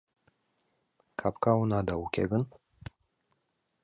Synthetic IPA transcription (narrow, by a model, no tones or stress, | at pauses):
kʰapkawunad̪aukʲḛɡɨn